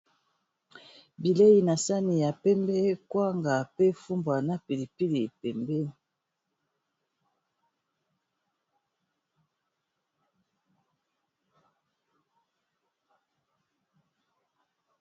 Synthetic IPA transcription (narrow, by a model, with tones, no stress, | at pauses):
bi˨le˦ji˨na˨sa˦ni˨ja˨pɛ˦mbɛ˦kwa˦ŋɡa˨pe˦fu˦mbwa˨na˦pi˨li˨pi˦li˨pɛ˨mbɛ˦